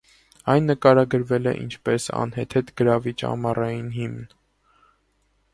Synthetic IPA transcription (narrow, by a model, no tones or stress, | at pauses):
ɑjnːəkɑɾɑɡəɾvɛlɛ̰ʔḭnt͡ʃʰpɛsɑ̰nhɛt̪ʰɛt̪ɡəɾɑvit͡ʃɑ̰mɑrɑjinɦimn